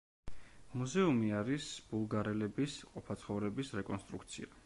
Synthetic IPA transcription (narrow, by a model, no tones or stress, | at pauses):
muzɛumiaɾisb̥ulˠɡaɾɛlɛbisqʼɔpʰat̪sʰχɔvɾɛbisɾɛkʼɔnst̪ʼɾukt̪sʰia